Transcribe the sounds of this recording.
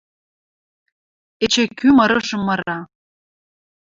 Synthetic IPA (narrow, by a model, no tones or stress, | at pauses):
et͡ɕekyməɾəʒə̆mːəɾɑ